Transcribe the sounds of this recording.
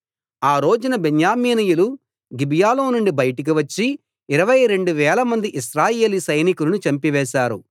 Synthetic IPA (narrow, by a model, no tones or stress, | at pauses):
aːɾo̞ːd͡ʒunɐbeɲjaːmiːnijulu | ɡibjaːloːnuɳɖibɐjɐʈɐk̬iʋɐt͡ʃːiː | ɾɐʋɐjɾe̞ɳɖuʋɛːlɐmɐnd̪iʔiʃɾaːje̞ːlisɐjnikulɐnut͡ʃɐmpiʋɛːʃaːɾu